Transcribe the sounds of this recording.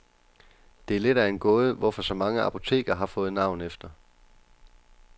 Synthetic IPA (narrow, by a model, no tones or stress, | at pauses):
d̥e̝æɐle̝d̥æe̝nɡ̥ɔ̽ːð̞̩ˠəʋɒfɒ̽sɒ̽mɑ̈ŋəʔɑ̈pʰo̝t͡sʰe̝̰ːɡ̥ɐɦɑ̈fɔ̽ːð̞̩ˠnɑ̈ʊ̰nefd̥ɐ